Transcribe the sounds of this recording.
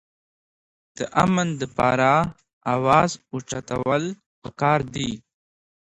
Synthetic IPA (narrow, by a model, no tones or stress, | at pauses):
d̪̥əʔamənd̪əpɑ̰ɾa | awɑzut͡ʃat̪a̰wəl | pəkɑɾd̪i